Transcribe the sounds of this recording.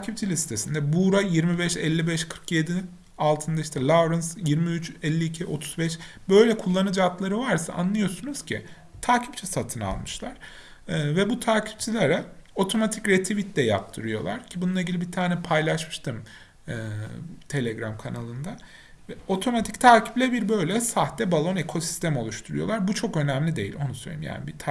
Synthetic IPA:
t̪ʰaːcʰip̚t͡ʃʰilʲisi̥t̪ʰesind̪ɛbuɾajiɾmibɛʃɛlʲːibɛʃkʰɯɾkje̞d̪i | alˠt̪ʰɯnd̪aiʃt̪ʰɛlˠavɾɯnsjiɾmiyt͡ʃɛlʲːiːcʰiʔo̞t̪ʰu̥zbɛʃbø̞jlʲɛkʰulˠːanɯd͡ʒat̪lˠaɾɯvaɾsa̰ʔa̰nlˠɯjo̞sunuz̥cʰɪ̰ | t̪ʰaːcʰip̚t͡ʃʰɛsat̪ʰɯna̰lˠmɯʃlˠaɾ̥ | ɯːvɛbut̪ʰaːcʰi̥p̚t͡ʃʰilʲeɾɛo̞t̪ʰo̞mat̪ʰicɾet̪ʰivit̪d̪ɛjap̚t̪ʰɯɾɯjo̞̰lˠa̰ɾ̥cʰibununˠaɟilʲibit̪ʰaːnɛpʰajlˠaʃmɯʃt̪ʰɯm | ɯːt̪ʰe̞lʲeɡɾamkʰanalˠɯnd̪a | vɛo̞t̪ʰo̞mat̪ʰict̪ʰaːcʰi̥plʲɛbiɾbø̞jlʲɛsaxt̪ɛbalˠo̞ne̞kʰo̞si̥st̪ʰɛmo̞lˠuʃt̪ʰuɾujo̞lˠaɾbut͡ʃʰo̞kø̞næmlʲid̪e̞jḭlʔo̞̰nusø̰jlḛḭḭmja̰ːnibit̪ʰ

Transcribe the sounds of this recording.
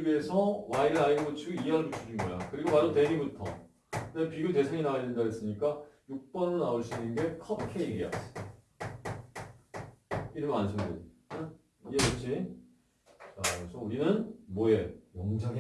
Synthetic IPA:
bie̞sʰʌwaiɾɯɭaiɡɡot͡ɕʰiɡuiɦaɯɭput͡ɕʰud͡ʑinɡʌjakɯɾiɡomaɾote̞ɡibutʰʌ̰ | epiɡjote̞sʰeŋinaaendaɦes͈ɯɲik͈ajuk̚p͈ʌnɯnaoɭɕ͈inɯnɡe̞kʰʌp̚kʰeiɡia̰ | iɾɯmmansʰɯnɡoda | ieɾut͡ɕʰi | asʰʌuɾinɯnmojewʌmd͡ʑaɡ

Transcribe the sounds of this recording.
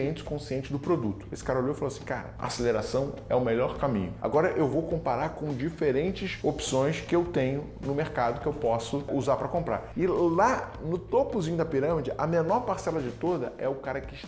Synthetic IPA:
ẽnt͡ʃɪ̥kõsiẽnt͡ʃɪd̪ʊpɾod̪ut̪ʊ̥esɪ̥kaɾɐolowifaloasĩka̰ɾɐ̰a̰seleɾasɐ̃w̃ɛʊmeʎɔɾkamḭ̃ɲʊ̰a̰ɡɔɾɐʔewvowkõmpaɾaɾkõd͡ʒifeɾẽnt͡ʃɪsopsõj̃skɪewt̪ẽɲʊ | nʊmeɾkad̪ʊkɪewpɔsʊuzaɾpɾɐkõmpɾa̰ɾɪlanʊt̪opʊzĩɲʊd̪ɐpiɾɐ̃mid͡ʒɪʔɐmenɔɾpaɾsɛlɐd͡ʒɪt̪od̪ɐ̰ʔɛʊkaɾɐkɪʃ

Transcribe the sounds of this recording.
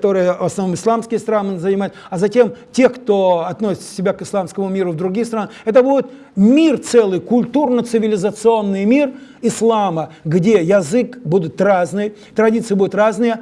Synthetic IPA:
t̪o̞ɾɨjəvɐsnɐvnomɨslˠamskʲɪjəst̪ɾanɨzənʲɪmajʊt̪ɐzɐtʲe̞mtʲe̞xkt̪o̞ɐt̪nosʲɪ̥t͡s̪əsʲɪbʲakɨslˠamskəmʊmʲiɾʊvd̪ɾʊɡʲist̪ɾanɛt̪əbudʲɪt̪ | mʲirt̪sɛlˠɨjkʊlʲt̪urnət̪sɨvʲɪlʲɪzət̪sɨo̞nːɨjmʲirɪslˠaməɡdʲejɐzɨkbud̪ʊt̪raznɨj | t̪ɾɐdʲit̪sɨjəbud̪ʲʊt̪ɾaznɨjə

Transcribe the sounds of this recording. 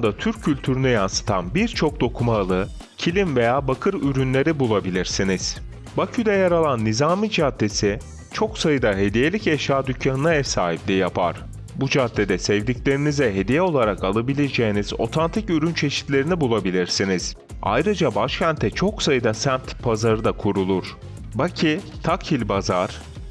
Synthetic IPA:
nd̪at̪ʰyɾcʰːylʲt̪ʰyɾynyjansɯ̥t̪ʰa̰nbiɾt͡ʃʰo̞k̚d̪o̞kʰumalˠɯ | cʰilʲimve̞jaːbakʰɯɾyɾynlʲe̞ɾibulˠabilʲiɾsiniz̥ | bacʰyd̪ɛjaɾalˠanːizaːmid͡ʒad̪ːe̞si | t͡ʃʰo̞ksajɯd̪aɦe̞d̪ije̞lʲicɛʃaːd̪ycʰjanɯnaɛsaːhiplʲijapʰa̰ɾ̥ | bud͡ʒad̪ːe̞d̪ɛsɛvd̪iclʲe̞ɾinizɛɦe̞d̪ijɛo̞lˠaɾakalˠabilʲed͡ʒejinizo̞̰t̪ʰant̪ʰicyɾynt͡ʃʰe̞ʃi̥t̪lʲe̞ɾinibulˠabilʲiɾsiniz̥ | a̰jɾɯd͡ʒabaʃcʰænt̪ʰɛt͡ʃʰo̞ksajɯd̪asænt̪pʰazaɾɯd̪akʰuɾulˠuɾ̥ | bacʰit̪ʰakʰilʲbazaɾ̥

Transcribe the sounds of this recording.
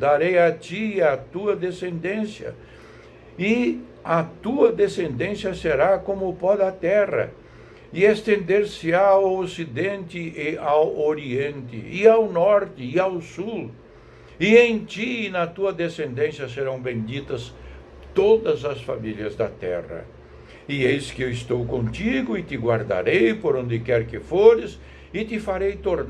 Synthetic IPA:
d̪aɾejɐt͡ʃ̪iɐt̪uɐd̪esẽnd̪ẽsjɐ̰ | ɪ | ɐt̪uɐd̪esẽnd̪ẽnsjɐseɾakõmʊpɔd̪ɐt̪ɛrɐ̰ | ɪest̪ẽnd̪eɾsɪawosid̪ẽnt̪ɪɪawoɾiẽnt̪ɪ̰ɪawnɔɾt̪ɪɪawsul | ɪẽj̃t͡ʃ̪inɐt̪uɐd̪esẽnd̪ẽsjɐseɾɐ̃w̃bẽd͡ʒ̪it̪ɐs | t̪od̪ɐzɐsfamiljɐzd̪ɐ̰t̪ɛ̰rɐ̰ | ɪejskɪewɪst̪owkõt̪iɡʊɪt̪ɪɡwaɾd̪a̰ɾejpoɾõnd̪ɪkɛɾkɪfoɾɪs | ɪt̪ɪfaɾejt̪oɾ

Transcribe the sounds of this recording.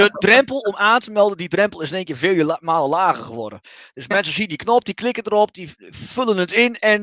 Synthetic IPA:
dədrɛmpəlˠɔmaːntəmɛlˠdəndidrɛmplˠɪsnɪːŋkɪːfɪːljəmaːlˠəlaːɣərxəʋɔ̰də̰d̥øsmmɛnsəsiəndiknɔp̚diklɪkədəɾɔp̚difølənətɪnɛn

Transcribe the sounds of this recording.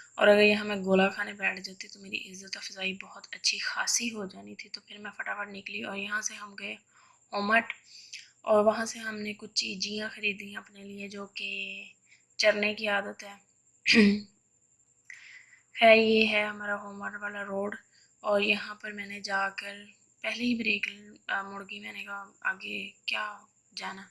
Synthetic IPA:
ɔ̰ːɾɐɡəɾjɐɦãmẽɡoːlakʰaːnebɛːʈʰd͡ʒaːt̪iit̪omeːɾḭʔɪzːət̪ɔːɾfɪzaːibɐɦʊt̪ɐtːʃʰixaːsiɦod͡ʒaːnit̪ʰit̪opʰɪɾmɛ̃fɐʈafəʈnɪkliɔːɾjɐɦãseɦɐmɡɐe | ɦoːməʈ | ɔːɾʋɐɦãseɦɐmnekʊt͡ʃʰt͡ʃiːd͡ʒijãxɐɾiːd̪iɦãɐpnelied͡ʒoːke | t͡ʃɐɾnekiaːd̪ət̪ɦɛː | xɛːɾjeɦɛɦɐmaːɾaɦoːməʈʋaːlaɾoːɖ | ɔːɾjɐɦãpɐɾmɛ̃ːned͡ʒaːkəɾ | pɛɦleibɾeːkmʊɽɡiʋɛːnekaa̰ːɡekjaː | d͡ʒaːnaː

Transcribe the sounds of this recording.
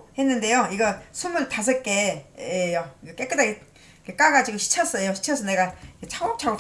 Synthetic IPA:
he̞nːɯnde̞joiɡʌsʰumɯɭtas̬ʰʌɭk͈e̞ejoiɡʌk͈ek͈ɯdaɡi | kek͈aɡad͡ʑiɡoɕʰi̥t͡ɕʰʌs͈ʌjoɕʰi̥t͡ɕʰʌs̬ʰʌne̞ɡaiket͡ɕʰaop̚t͡ɕʰaɡo

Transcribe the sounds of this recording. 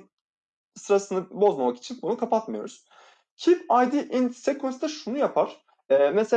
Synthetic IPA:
sɯɾasɯnɯbo̞zmamaki̥t͡ʃʰinbunukʰapat̪majo̞ɾuz̥ | cʰipajd̪iʔinsekʰonsd̪ɛʃunujapʰaɾ̥ | ɛːmese

